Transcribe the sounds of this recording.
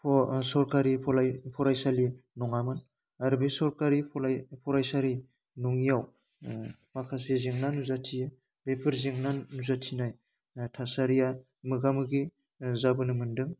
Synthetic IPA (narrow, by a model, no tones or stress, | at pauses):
pʰsɔɾkaɾiɔlpʰɔɾajsalinɔŋamɯn | aɾbesɔɾkaɾipʰpʰɔɾajsaɾi | nɔŋijaw | makʰaseziŋnanuzatʰijɯ | bepʰɯɾziŋnanuzatʰinaj | tʰasaɾija | mɯɡamɯɡi | zabɯnɯmɯndɯŋ